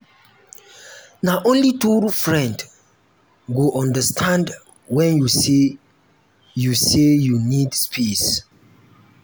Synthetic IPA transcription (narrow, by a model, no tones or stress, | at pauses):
naʔõnlitufɹɛ̃nd | ɡuʔɔ̃ndəstʰãnd | wɛ̃njuse | jusejunidspʰis